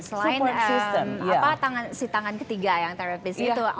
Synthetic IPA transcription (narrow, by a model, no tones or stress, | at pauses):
səlaɪnəsɪst̪əmapat̪aŋansit̪aŋankə̥t̪iɡajaŋt̪eɾapɪst̪u